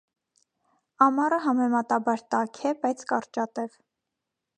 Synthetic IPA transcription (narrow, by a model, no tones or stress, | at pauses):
ɑmɑrəɦɑmɛmɑt̪ɑbɑɾt̪ɑkʰɛbɑjt͡sʰkɑrt͡ʃɑt̪ɛv